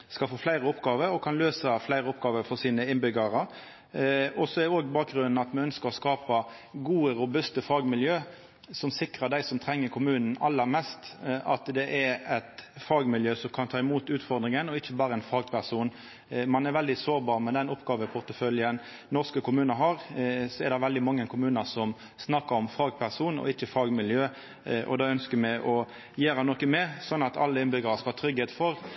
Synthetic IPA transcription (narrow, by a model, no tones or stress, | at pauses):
skɑlfoːflæɪɾəʊpːɡɑːʋəɾɔkʰɑnløːsəflæɪɾəʊpɡɑːʋəɾfɔʁsiːnəɪnbʏɡəʁə | ɔsɔɛdɛoːɡbɑːk̚ɡʁʉnn̩ɑt̪mɑnœnskəɾɔskɑːpə | ɡuːəɾʊbʉst̪əfɑːɡmɪljøː | sɔmsɪkɾəd̪æɪsɔmt̪ʰɾɛŋːəkʰʊmʉːnn̩ɑlːəɾmɛst̪ʔɑt̪d̪ɛʔɛɾɛt̪fɑːɡmɪljøːsɔmkʰɑnt̪ʰɑːɪmuːt̪ʉːt̪fɔɾd̪ʁɪŋənɔɪçːəbɑːɾəɛnfɑːɡpʰæʁsuːn | mɑnɛɾʋɛld̪ɪsoːɾbɑːʁmɛd̪ɛnɔpːɡɑːʋəpʰʊʁt̪əfœljən | nɔʁskəkʰʊmʉːnəɾɦɑɾsɔɛɾd̪ɛʋɛld̪ɪmɑŋːənkʰʊmʉːnəsɔm | snɑkːəɾɔmfɑːɡpʰæʁsuːnɔ̰ɪçːəfɑːɡmɪljøː | ʔɔ̰d̪ɑːœnskəmɛʔɔ | jeːɾɑnɔkəmɛsɔnːɑt̪ɑ̰lːəɪnbʏɡəɾɑskɑɑt̪ʰɾʏɡheːt̪fɔɾ